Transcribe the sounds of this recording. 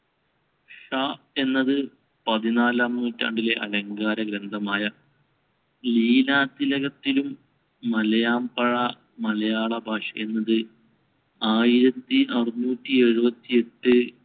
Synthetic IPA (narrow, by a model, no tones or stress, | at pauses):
ʂa | e̞nːɐðɨ | pɐðinaːlaːmnuːtːa̰ːɳɖile̞ʔɐlɐŋɡaːɾɐɡɾɐnd̪ʱɐmaːjɐ | liːlaːt̪ːilɐɣɐt̪ːilumː | ɐlɐjaːmpɐɻɐ | mɐlɐjaːɭɐbʱaːʂɐe̞nːɐðɨ | aːjiɾɐt̪ːiʔɐrɨnuːtːie̞ɻubɐt̪ːie̞ʈːɨ